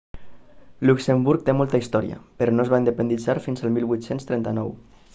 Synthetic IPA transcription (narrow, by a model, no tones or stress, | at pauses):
luksəmbuɾk̚t̪emɔlˠt̪əist̪ɔɾiə̰pəɾɔnoəzβaind̪əpənd̪id͡zaɾfinzəlˠmilˠβwuit̪senst̪ɾɛnt̪ənɔw